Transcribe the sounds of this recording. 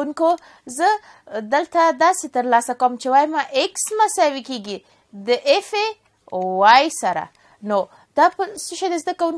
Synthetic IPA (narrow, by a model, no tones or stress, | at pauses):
unko | zə | d̪əlt̪ad̪ɑset̪əɾlɑsakawəmt͡ʃewɑjmaʔeksmasawekeɡi | d̪əʔefe | owajsaɾa̰ | no | d̪̥ɑpəsəʃed̪ezd̪akawun